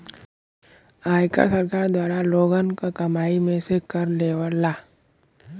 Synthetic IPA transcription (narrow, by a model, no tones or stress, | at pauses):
aːjka̰səɾkaːɾd̪waːɾaloːɡənkokɐmaːimẽsekəɾleːʋəɾlaː